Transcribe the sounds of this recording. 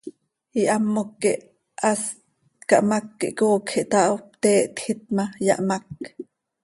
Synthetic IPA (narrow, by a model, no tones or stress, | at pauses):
iʔamːokːiʔ | ast̪̚kɑʔmakːḭʔkoːkxiʔt̪aʔop̚t̪ɛːʔt̪xit̪̚majɑ̰ʔmak